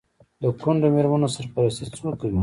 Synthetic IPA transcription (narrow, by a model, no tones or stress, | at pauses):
d̪əkʊɳɖomeɾmanosəɾpaɾast̪et͡swəkəi